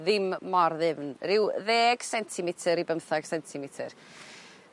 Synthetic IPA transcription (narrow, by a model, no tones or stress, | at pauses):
ðɪmːɔɾðɪvnrɪwðeːɡ̥sɛntʰɪmɪtʰəɾibəmθaɡ̥sɛntʰɪmɪtʰər